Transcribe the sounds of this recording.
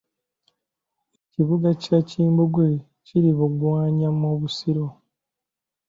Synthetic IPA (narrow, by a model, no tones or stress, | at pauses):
eciβuɡacaciːmbuɡwe | ciɾiβuɡwaːɲamoːβusiɾo̞